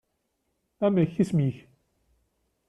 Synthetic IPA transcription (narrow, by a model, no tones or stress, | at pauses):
æmæçismiç